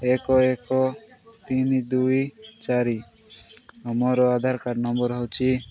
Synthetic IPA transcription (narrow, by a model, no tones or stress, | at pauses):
ekɔɛkɔt̪inid̪ujt͡ʃaɾi | ɔmɔɾɔad̪ʱaɾkaɖnɔmbɔɾɦɔwt͡ʃʰi